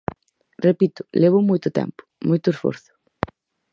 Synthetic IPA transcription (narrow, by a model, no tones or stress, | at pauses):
repit̪ʊ̥leβ̞ʊmojt̪ʊt̪ɛ̰mpʊ̥mojt̪ʊesfo̰ɾθʊ̥